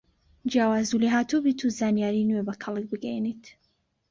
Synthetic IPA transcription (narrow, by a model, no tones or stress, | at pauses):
d͡ʒjaːwaːzuliɦaːt̪ubiːt̪ʰuzaːnjaːɾiːnwebɐkʰɐlˠɨk̚bɨɡɛjnit̪